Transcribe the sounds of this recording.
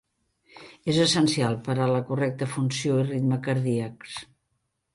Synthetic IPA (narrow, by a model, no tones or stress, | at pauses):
ezəsənsialˠpəɾaləkurɛk̚t̪əfunsijoirit̪məkəɾðiəks